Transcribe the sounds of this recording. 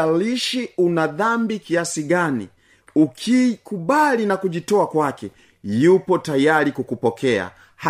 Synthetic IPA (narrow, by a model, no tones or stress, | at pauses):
aliʃiunaðambikiasiɡanḭ | ukʰikuɓalinakuʄitɔakwakɛ | jupɔtajalikukupɔkɛa̰ | h